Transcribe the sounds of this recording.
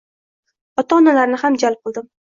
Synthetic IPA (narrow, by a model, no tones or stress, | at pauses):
ɒt̪aɒnalaɾnɪhamd͡ʒalp̚qʰɨlˠd̪ɪm